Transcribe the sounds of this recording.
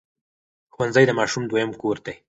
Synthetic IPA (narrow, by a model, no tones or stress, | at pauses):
xwanzəjd̪əmɑʃumd̪wajəmkoɾd̪e